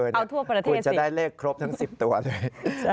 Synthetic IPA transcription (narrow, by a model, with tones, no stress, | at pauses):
a˧wt̪ʰu˥˩ɐpɾa˧tk̪ʰu˧˥˩t͡ɕa˨˩daː˥˩jleː˥˩kʰːɾo˦˥p̚t̪ʰa˦˥ŋsi˨˩p̚t̪u˧ɐlɤː˧jt͡ɕ